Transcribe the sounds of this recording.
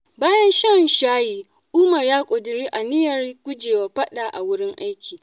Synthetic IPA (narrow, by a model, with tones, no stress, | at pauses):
baː˦jɐ˦nʃɐ˦nʃaː˦jiː˨ | ʔʊː˦mɐ˨rjaː˦kʷʼo˨dʊ˨ɾiː˦ʔa˨nɪ˦jɐ˨rɡʷʊ˦d͡ʒeː˨waː˨ɸɐ˦ɗa˨ʔa̰˨wʊ˦ɽɪ˦ŋʔa˦jkʲʰiː˨